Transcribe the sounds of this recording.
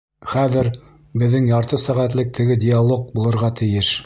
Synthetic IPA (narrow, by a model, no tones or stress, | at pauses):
χæðɘɾ | bɘ̆ðːɘŋjɑɾt̪ɤsæʁæt̪lɘk̚t̪ʰɘ̆ɡɘdʲɪalˠok̚bulˠɤ̆ɾʁɑt̪ʰɘ̆jɘʃ